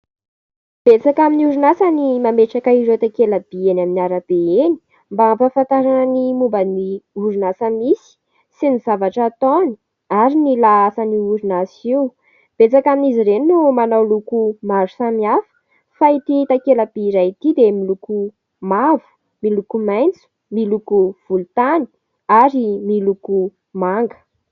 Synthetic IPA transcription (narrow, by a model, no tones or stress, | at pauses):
b̥et͡sakaminiuɾunasanimameʈ͡ʂakaizet̪akelab̥ienaminiaɾab̥eeni̥ | mbafafant̪aɾanənimumbəniuɾunasəmisi̥ | sinizavaʈ͡ʂat̪oni̥ | aɾinilaasəniuɾunasiw | b̥et͡sakaniziɾeninumanawlukumaɾu̥samiafə̥ | fait̪it̪akelabiːɾajt̪id̪emiluku | mavu̥ | milukumajnt͡su̥ | milukuv̥ulut̪ani̥ | aɾimiluku | maŋɡə̥